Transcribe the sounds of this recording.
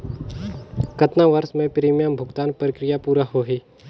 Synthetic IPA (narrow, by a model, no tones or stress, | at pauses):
kət̪naʋəɾsmẽpɾiːmjaːmbʱʊɡt̪aːnpɾɪkɾɪjapuːɾaɦoːɦiː